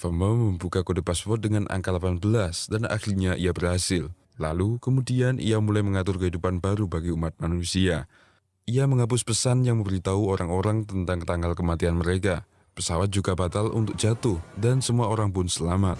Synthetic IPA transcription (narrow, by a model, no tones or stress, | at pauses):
fəməməmbukakodepaspɔrt̪̚dəŋanʔa̰ŋkalapanbəlasdanʔa̰xliɲaʔijabərhasɪl | la̰lukəmudianʔḭjamulajməŋat̪ʊrkəɦidupanbaɾubaɡiumat̪̚manusia | ijaməŋap̬ʊspəsanjaŋməmbəɾit̪auoɾaŋoɾaŋt̪ənt̪aŋt̪aŋɡalkəmat̪ianməɾeka | pəsawat̪̚d͡ʒuɡabat̪alṵnt̪ʊk̚d͡ʒ̥at̪ʊhdansəmuaoɾaŋpʊnsəlamat̪̚